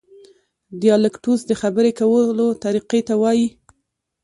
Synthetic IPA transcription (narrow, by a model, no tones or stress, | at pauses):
d̪ijɑlɪkʈusd̪əxabəɾekawəlot̪aɾiqet̪awɑji